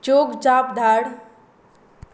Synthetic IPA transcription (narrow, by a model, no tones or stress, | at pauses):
t͡ʃoːɡd͡ʒaːpd̪ʱaːɽ